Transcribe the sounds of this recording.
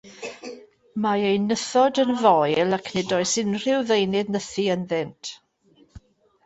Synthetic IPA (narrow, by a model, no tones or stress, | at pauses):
maejnəθɔdənvɔjlˠakʰnɛdɔɨsɪnr̥ɪwðejnɪðnəθiənðɪntʰ